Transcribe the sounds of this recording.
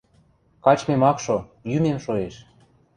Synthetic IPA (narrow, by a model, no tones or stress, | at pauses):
kɑt͡ɕmemɑkʃojymemʃoeʃ